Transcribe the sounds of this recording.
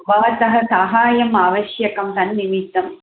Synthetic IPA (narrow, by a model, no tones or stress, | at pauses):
ʋɐːɐt̪ɐɦɐsɐɦaːjɐmaːʋɐʃjɐkɐmt̪ɐnnimit̪ːɐm